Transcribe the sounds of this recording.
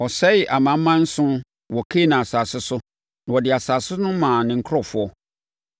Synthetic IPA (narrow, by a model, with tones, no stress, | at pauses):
ɔ˨sɛ˦ɪ˨ʔa˨mã˨˦m̩˦mã˦n̩˦sʊ̃˦ | wɔ˨kʰe˦nã˨a˨saː˨sɪ˦sʊ˦ | nã˨wɔ˨dɪ˨a˨saː˨sɪ˦nʊ̃˦mãː˨nɪ̃˨ŋ̩˦kʰɾɔ˨fʊ˦ɔ˦